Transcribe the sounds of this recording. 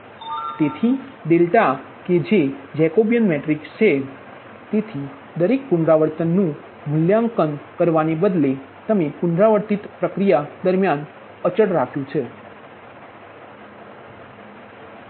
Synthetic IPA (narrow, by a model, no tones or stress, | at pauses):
t̪et̪ʰid̪elʈa | ked͡ʒed͡ʒɛkobijənmeʈɾikst͡ʃʰe | t̪et̪ʰi | d̪əɾek̚pʊɳɖɾaʋəɾt̪ənːũ | mʊljãŋkənkəɾʋanebəd̪le | t̪əmepʊɳɖɾaʋəɾt̪it̪pɾəkɾijad̪əɾmjan | ət͡ʃəɽɾakʰjũt͡ʃʰe